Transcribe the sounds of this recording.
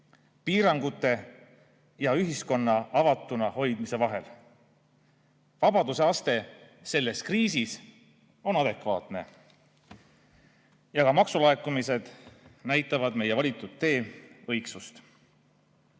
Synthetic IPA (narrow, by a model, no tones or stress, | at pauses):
piːɾɑŋɡ̥ut̪ːˑe̞ | jɑyɦisko̞nːɑɑvɑt̪ːˑunɑho̞jd̪̥mise̞vɑɦe̞̰l | vɑbɑd̪useɑst̪e̞ | se̞lːe̞skriːsis | o̞nɑd̪e̞kvɑ̰ːt̪ne̞̰ | jɑkɑmɑksulɑekːˑumise̞d̪̥næjt̪ːˑɑvɑd̪me̞je̞vɑlit̪ːˑud̪e̞ːɤ̞jksust̪